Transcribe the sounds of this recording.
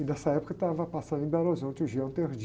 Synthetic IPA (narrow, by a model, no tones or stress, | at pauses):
ɪnɛsɐɛpʊ̥kɐt̪avɐpasɐ̃nd̪ʊẽbalozõnt͡ʃɪuʒiɐ̃t̪eɾd͡ʒ